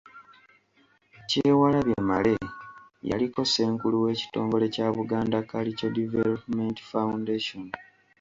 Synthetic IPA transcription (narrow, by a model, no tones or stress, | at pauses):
ceːwalaβjemale̞ja̰liko̞se̞ːŋkuluwe̞ːci̥to̞ːŋɡo̞le̞caːβuɡaːndakalicedivelopumenti̥fawundeʃon